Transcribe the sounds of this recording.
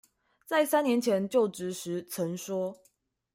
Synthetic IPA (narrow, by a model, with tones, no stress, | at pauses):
t͡sa˥˩ɪsa˥njɛ˧˦nt͡ɕʰjɛ˧˦nt͡ɕjo˥˨˩ʊʈ͡ʂɻ̩˨˥ʂɻ̩˧˥t͡sʰə˧˦nʂwɔ˥